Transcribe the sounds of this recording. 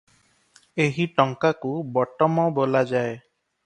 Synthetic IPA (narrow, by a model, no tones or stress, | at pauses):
eɦiʈɔŋkakubɔʈɔmɔbolad͡ʒae